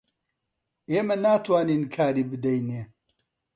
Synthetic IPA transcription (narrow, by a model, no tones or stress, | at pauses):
eːmɐnaːt̪ʰwaːniːnkʰaːɾiːbɨd̪ɐjneː